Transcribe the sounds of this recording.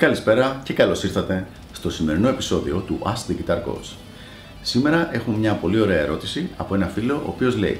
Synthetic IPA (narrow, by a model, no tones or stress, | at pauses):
kɐlispe̞ɾɐce̞kɐlo̞siɾθɐt̪e̞ | st̪o̞sime̞ɾino̞episo̞ðio̞t̪uʔɐst̪ðiʝit̪ɐɾko̰s | sime̞ɾɐʔe̞xumemɲɐpo̞lio̞ɾe̞ɐeɾo̞t̪isiɐ̰po̞e̞nɐfilo̞ʔo̰ːpio̞zle̞̰ḭ